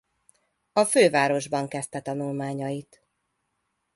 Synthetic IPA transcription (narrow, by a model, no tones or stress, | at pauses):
ɒføːvaːɾo̞ʒbɒŋkɛst̪ɛt̪ɒnulmaːɲɒjit̪